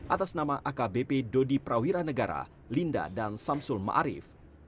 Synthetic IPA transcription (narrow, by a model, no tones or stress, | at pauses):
ʔat̪asnamaʔakabepedodipɾawiɾanəɡaɾa̰ | linda̰dansamsʊlma̰ʔaɾɪ̰f